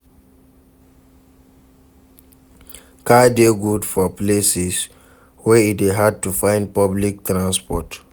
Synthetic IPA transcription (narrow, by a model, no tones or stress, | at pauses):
kadeɡudfɔplesis | wɛideɦad̚tufãɪ̃nd̚pɔblik̚tɹãnspɔt